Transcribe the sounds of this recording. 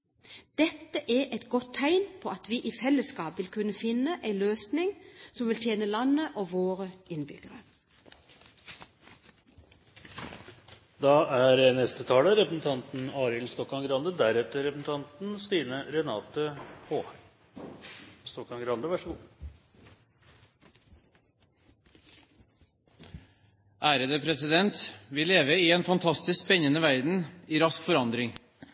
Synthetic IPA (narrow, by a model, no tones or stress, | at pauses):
d̪̥ɛt̪ːəʔɛʔɛt̪ɡɔt̪ʰːæɪnpʰɔːɑt̪ʋiːʔiːfɛlːəskɑːpʋɪlkʰʉnːəfɪnːəʔæɪløːsnɪŋsɔmʋɪlt̪ʰjeːnəlɑnːəʔoːʋoːɾəɪnbʏ̰ɡəɾə | d̪ɑæɾənɛst̪ət̪ʰɑːləɾɛpɾəsn̩t̪ʰɑnt̪n̩ɑːɾɪlst̪ɔkːɑŋɡɾɑnd̪əd̪æɾɛt̪ːəɾɛpɾəsn̩t̪ʰɑnt̪n̩st̪iːnəɾɛnɑːt̪əhoː | st̪ɔkːɑŋɡɾɑnd̪əʋæʂəɡṵː | ʔæːɾəd̪əpʰɾɛsɪd̪ɛnt̪ʋɪleːʋəiːeːnfɑnt̪ʰɑst̪ɪskspɛɲənəʋæɾd̪n̩iːɾɑskfɔɾɑnd̪ɾɪŋ